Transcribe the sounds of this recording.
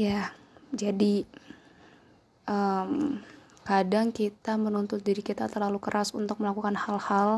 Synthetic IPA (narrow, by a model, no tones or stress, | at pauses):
ja | d͡ʒadi | əm | kadaŋkit̪amənunt̪ʊt̪̚diɾikit̪at̪ərlalukəɾʔasunt̪ʊk̚məlakukanhalhal